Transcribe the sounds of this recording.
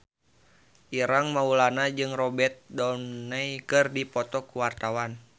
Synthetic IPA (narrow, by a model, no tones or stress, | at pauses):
ʔiɾaŋmaulanad͡ʒɨŋrɔbɛt̪̚dɔnːajkɨrdipɔt̪ɔkuwart̪awan